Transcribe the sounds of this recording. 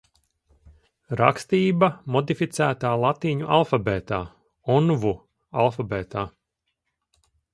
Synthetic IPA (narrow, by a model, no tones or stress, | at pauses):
ɾa̰kst̪iːbamɔd̪ifit̪sæːt̪aːlˠat̪iːɲuʔalˠfabɛːt̪aː | ɔnvu | a̰lˠfabɛːt̪aː